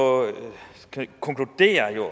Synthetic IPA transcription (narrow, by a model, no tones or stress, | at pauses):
kʰɔŋkʰlud̥e̝̰ːɐjo